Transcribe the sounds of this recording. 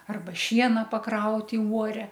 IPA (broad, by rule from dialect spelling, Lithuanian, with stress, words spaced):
ˈɐrbɐ ˈʃʲiɛnɐ pɐˈkrɐʊtʲ ɪ uɔˈrʲɛ